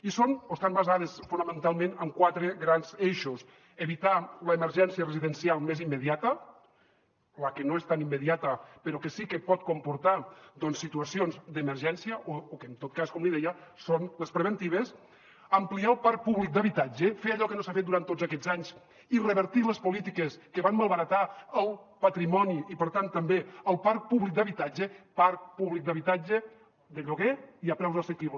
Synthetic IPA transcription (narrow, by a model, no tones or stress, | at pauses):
isonoest̪ambazað̞esfunəmənt̪alˠmẽnəmkwat̪ɾeɣɾanzeʃos | eβit̪aləːməɾʒɛnsiərəziðənsialˠmezimːeðiat̪ə | lakenoest̪animːəðiat̪əpeɾɔkesikəpɔt̪̚kompuɾt̪ad̪ɔnsːit̪uasionzd̪əməɾʒɛnsiəʔookent̪ot̪̚kaskɔmliðɛjasonləspɾəβənt̪iβ̞əs | əmpliaəlˠpaɾk̚puβlik̚d̪əβit̪ad͡ʒəfeəʎɔkənosafet̪̚d̪uɾant̪ːozəkɛzaɲz | irəβəɾt̪iləspulit̪ikəskəβanmalˠβəɾət̪aəlˠpət̪ɾimɔniipəɾt̪ant̪əmbeəlˠpaɾk̚puβlik̚d̪əβit̪ad͡ʒəpaɾkpuβlik̚d̪əβit̪ad͡ʒə | d̪əʎuɣeiəpɾɛwzəsəkiβl